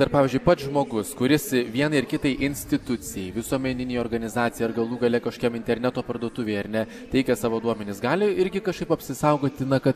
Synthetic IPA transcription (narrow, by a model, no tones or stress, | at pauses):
d̪ɐɾpɑːʋʲiːzʲd͡ʒʲʊɪpɐt̪ʒmoːɡʊskʊɾʲɪsʋʲiɛnɐɪrkʲɪt̪ɐɪʔɪnʲsʲt̪ʲɪt̪ʊt̪t͡s̪ʲɪjɛɪʋʲɪsuɔmʲɛnʲɪnʲɛjoːrɡɐnʲɪzɑːt̪t͡ssʲɪjɛɐɾɡɐlˠuːɡɐlʲɛkɐʃo̥kʲɛmɪnʲt̪ʲɛɾʲnʲæt̪oːpɐɾd̪uɔt̪ʊʋʲɛɪɐɾnʲɛ | t̪ʲɛɪkʲɛsɑːʋoːd̪uɔmʲɛnʲɪsɡɑːlʲɪɪɾʲɡʲɪkɐʃkɐɪpɐpʲsʲɪsɐʊɡoːt̪ʲɪnɐkɐt̪